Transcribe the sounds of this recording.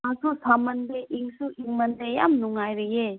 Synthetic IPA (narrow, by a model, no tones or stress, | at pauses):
ãsusamɐnd̪eʔiŋsuʔiŋmɐnd̪eja̰mnuŋajɾəje